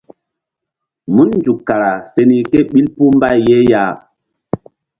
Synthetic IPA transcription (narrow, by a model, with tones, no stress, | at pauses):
mu˦nnd͡ʒu˨kːa˨ɾa˨se˦ni˦ke˦ɓi˦lpu˦m˦ba˦˨je˦ja˦˨